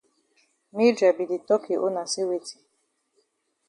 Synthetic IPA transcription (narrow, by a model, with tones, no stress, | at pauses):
mi˦da˨bi˨di˨tɔ˦ki˨ʔo˦na˨si˦we˨ti̥˨